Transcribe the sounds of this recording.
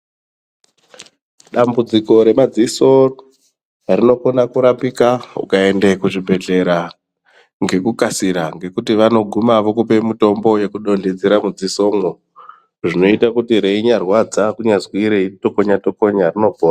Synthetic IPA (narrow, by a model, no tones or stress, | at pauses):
ɗambud͡ziko̞ɾe̞mad͡ziso̞ | rino̞konakuɾapikaṵkae̞ndekuʐibʱe̞ɮe̞ɾa | ŋɡe̞kukasiɾaŋɡe̞kutiʋano̞ɡʱumaʋo̞kupe̞mito̞mbo̞je̞kuɗo̞nded͡zeɾamud͡ziso̞ːmo | ʐino̞itakutiɾe̞iɲarwad͡zakuɲazwiɾeito̞koɲato̞ko̞ɲarino̞poːna